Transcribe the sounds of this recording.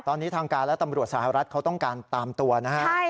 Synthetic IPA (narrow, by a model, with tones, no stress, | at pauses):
t̪ɔː˧nːiː˦˥t̪ʰaː˧ŋkaː˧lɛ˦˥t̪a˧mɾu˨˩ət̪̚sa˧˩ha˨˩ɾa˦˥t̪̚kʰa˦˥wt̪ɔ˥˩ŋkaː˧nt̪aː˧mt̪u˧ɐna˦˥kʰ